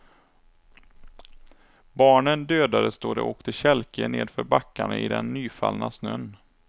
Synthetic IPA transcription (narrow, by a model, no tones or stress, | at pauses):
bɑːɳənd̪øːd̪aɾəst̪oːd̪ɛ̰ʔoːkt̪ʰɪɕɛlkʰəneːd̪fœɾbakːaɳəʔɪd̪ɛnːyːfa̰lnasnœn